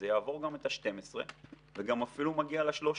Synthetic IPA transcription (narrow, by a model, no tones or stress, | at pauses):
ejaːvo̞ʁɡamet̪aʃte̞mesʁḛ | veɡamafilumaɡialeʃlo̞ʃ